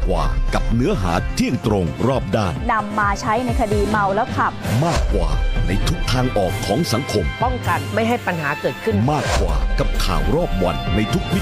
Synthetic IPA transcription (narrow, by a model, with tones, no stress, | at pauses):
kwa̰ː˨ka˨˩p̚nɯ˦˥ɐɦa̰ː˩˦t̪ʰi˦˥˩əŋt̪ɾo˧ŋɾɔː˥˩p̚daː˥˩nda˧mːaː˧t͡ɕʰa˦˥jna˧jkʰa˧diː˧ma˧wlɛː˦˥wkʰa˨˩p̚maː˥˩kːwa̰ː˨˩na˧jt̪ʰu˦˥k̚t̪ʰaː˧ŋʔɔː˨˩kʰːɔː˩˦ŋsa˩˦ŋkʰo˧mpɔ˥˩ŋka˨nma˥˩jɦa˥˩jpa˧nɦaː˩˦kɤː˨˩t̪̚kʰɯ˥˩nmaː˥˩kːwa̰ː˨˩ka˨˩p̚kʰa̰ː˨˩wɾɔː˥˩p̚wa̰˧nːa˧jt̪ʰu˦˥k̚wi˦˥